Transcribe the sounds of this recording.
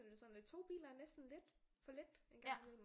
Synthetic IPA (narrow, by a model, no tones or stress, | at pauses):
nd̥esɒn̥it͡sʰo̝̰ːb̥ḭːlɐæɐnesd̥n̩le̝d̥fɒ̽led̥e̝nɡ̥ɑ̈ŋiðˠm